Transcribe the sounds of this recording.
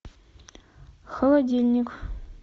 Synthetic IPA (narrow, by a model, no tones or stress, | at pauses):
xəlˠad̪ʲilʲnʲikʷ